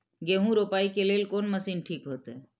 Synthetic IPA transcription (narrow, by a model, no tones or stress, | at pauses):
ɡeːɦũɾoːpaːikeleːlkoːnməsiːnʈʰiːkɦoːt̪eː